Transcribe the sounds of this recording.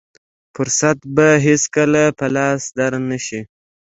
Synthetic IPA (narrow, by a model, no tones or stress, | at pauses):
fʊɾsat̪baɦeskəlapəlɑsd̪aɾnaʃi